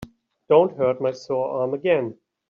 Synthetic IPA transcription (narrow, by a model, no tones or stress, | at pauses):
d̥õʊ̃nt̚ɦɜ˞t̚maɪsɔlɑɹməɡɛ̃n